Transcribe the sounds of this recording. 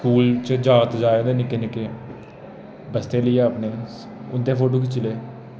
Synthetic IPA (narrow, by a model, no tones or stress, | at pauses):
skuːlt͡ʃd͡ʒaːət̪d͡ʒaːeːoʊnd̪eːnɪkːeːnɪkeː | bəst̪eːləiːəːpneː | ʊnd̪eːpʰoːʈoːkɪt͡ʃːleː